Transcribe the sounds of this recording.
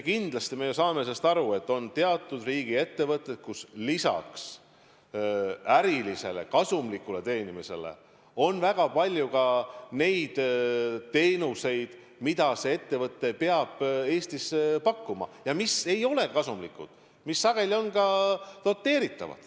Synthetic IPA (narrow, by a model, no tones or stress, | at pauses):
kind̪̥lɑst̪ime̞jusɑːmes̬est̪ɑɾue̞t̪ːo̞nt̪e̞ɑt̪ːˑud̪riːɡ̥ie̞t̪ːe̞vɤt̪ːˑet̪̚kuslisɑ̰ks | æɾilise̞̰le̞̰kɑsumlikːule̞t̪e̞ːnimise̞̰le̞̰ | o̞nvæɡ̥ɑpɑlʲjukɑne̞jd̪̥t̪e̞ːnuse̞jd̪̥ | mid̪̥ɑse̞e̞t̪ːe̞vɤt̪ːe̞peɑb̥e̞ːst̪ispɑkːumɑ̰jɑmise̞jo̞le̞kɑsumlikṵd̪̥ | misːɑɡ̥e̞lʲio̞nkɑno̞t̪ːe̞ːɾit̪ːˑɑ̰vɑ̰d̪̥